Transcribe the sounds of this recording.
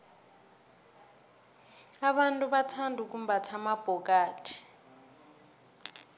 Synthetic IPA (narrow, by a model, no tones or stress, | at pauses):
aɓantʼuɓatʰandʱuk̬ʼumbʱatʰamab̥ʱɔk̬ʼaːtʰi̥